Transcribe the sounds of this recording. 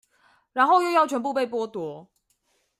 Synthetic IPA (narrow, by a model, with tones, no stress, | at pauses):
ɻa˧˥nxo˥˧ʊjo˥˧ʊjɑ˥˩ʊt͡ɕʰɥɛ˧˥np̬u˥˧pe˥˨ɪpwɔ˥t̪wɔ˧˥